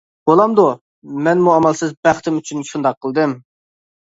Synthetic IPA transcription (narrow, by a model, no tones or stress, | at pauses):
b̥olˠɑmd̪u | mɛnmuɑmɑlˠsɨzbæχt̪ʰɪmyt͡ʃʰynʃund̪ɑqʰːəlˠd̪ɨm